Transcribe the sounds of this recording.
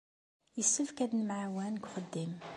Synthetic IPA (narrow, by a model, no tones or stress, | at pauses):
jəsːufkæd̪nmʕawænɡʷχəd̪ːim